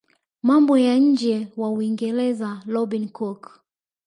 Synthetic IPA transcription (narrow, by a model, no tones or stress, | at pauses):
mambɔjaɲ̩d͡ʒɛwauiŋɡɛlɛzalɔbinkɔk